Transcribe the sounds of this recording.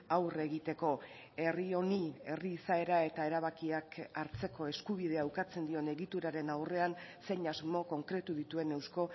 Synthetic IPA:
awre̞ɣit̪e̞ko̞ | e̞rio̞nie̞riːsae̞ɾae̞t̪ae̞ɾaβ̞akiakaɾt͡se̞ko̞e̞skuβ̞iðe̞aːwkat͡se̞nd̪io̞ne̞ɣit̪uɾaɾe̞nawre̞anse̞ɲazmo̞ko̞ŋkɾe̞t̪uðit̪ue̞ne̞wsko̞

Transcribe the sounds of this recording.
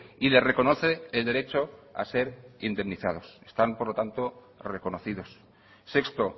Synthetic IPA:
ile̞sre̞ko̞no̞θe̞ːld̪e̞ɾe̞t͡ʃo̞a̰se̞ɾind̪e̞mniθað̞o̞se̥st̪ampoɾlo̞t̪ant̪o̞ | re̞ko̞noθiðo̞s | se̞kst̪o̞

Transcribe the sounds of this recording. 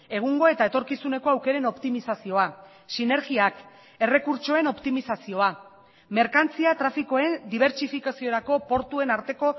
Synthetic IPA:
e̞ɣ̞uŋɡo̞e̞t̪aet̪o̞ɾkisune̞ko̞awke̞ɾe̞no̞pt̪imisasio̞a | sine̞ɾɣiak | e̞re̞kuɾt͡ʃo̞e̞no̞pt̪imisasio̞a | me̞ɾkant͡siat̪ɾafiko̞e̞nd̪iβ̞e̞ɾt͡ʃifikasioɾako̞po̞ɾt̪ue̞naɾt̪e̞ko̞

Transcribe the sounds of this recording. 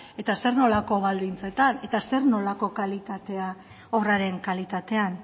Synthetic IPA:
e̞t̪ase̞ɾno̞lako̞βald̪int͡se̞t̪ane̞t̪ase̞ɾno̞lako̞kalit̪at̪e̞a | o̞raɾe̞ŋkalit̪at̪e̞an

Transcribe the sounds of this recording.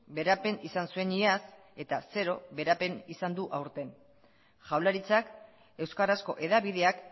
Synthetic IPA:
be̞ɾape̞nisansue̞nias | e̞t̪ase̞ɾo̞βe̞ɾape̞nisand̪uʔawɾt̪e̞n | ʝawlaɾit͡sak | e̞wskarasko̞ʔe̞ðaβið̞e̞ak

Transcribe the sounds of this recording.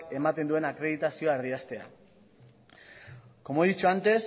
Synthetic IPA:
ke̞mat̪e̞nd̪ue̞nakɾe̞ð̞it̪asio̞aeɾðiast̪e̞a̰ | ko̞moðit͡ʃuant̪e̞s

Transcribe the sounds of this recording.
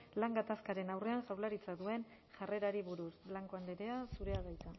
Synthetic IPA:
laŋɡat̪askaɾe̞nawre̞anʝawlaɾit͡saðue̞n | ʝare̞ɾaɾiβuɾusblaŋko̞and̪eɾe̞asuɾe̞aβajt̪a

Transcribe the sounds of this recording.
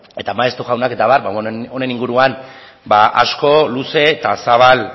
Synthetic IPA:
e̞t̪amaest̪uɣawnake̞t̪aβaɾbao̞ne̞niŋɡuɾuan | baʔasko̞luse̞t̪asaβ̞al

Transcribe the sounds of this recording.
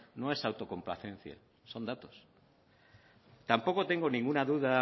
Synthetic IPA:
no̞e̞sawt̪o̞ko̞mpla̰θẽ̞n̟θja̰ | so̞nd̪at̪o̞s | t̪ampo̞kot̪e̞ŋɡonĩŋɡunaðuða

